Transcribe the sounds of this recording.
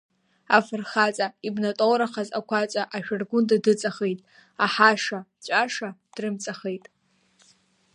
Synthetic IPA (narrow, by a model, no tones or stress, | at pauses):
afɨrχat͡sʼaibnatʼowɾaχazakʷʰat͡sʼaʔaʃᶣarɡʷʊndʼadɨt͡sʼaχejtʼ | aħaʂat͡ɕʷʼaʂad̥rɨmt͡sʼaχejtʼ